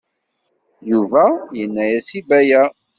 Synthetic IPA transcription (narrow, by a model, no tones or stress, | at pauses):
juvæjənːæjæsibæjæ